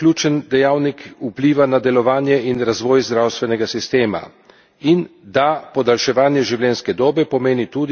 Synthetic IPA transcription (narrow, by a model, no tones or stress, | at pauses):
klʲjut͡ʃənd̪ɛjaːwnikupliːʋanad̪ɛlɔʋaːnjɛinɾazʋɔːjzd̪ɾawst̪ʋɛnɛɡasist̪eːma̰ | ind̪apɔd̪alʃɛʋaːnjɛʒiwljɛnskɛd̪oːbɛpɔmeːnit̪uːd̪